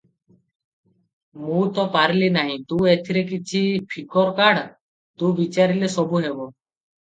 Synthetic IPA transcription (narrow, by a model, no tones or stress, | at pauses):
mũt̪ɔpaɾlinaɦĩt̪ũet̪ʰiɾekit͡ʃʰipʰikʰɔɾkaɽ | t̪ũbit͡ʃaɾilesɔbuɦebɔ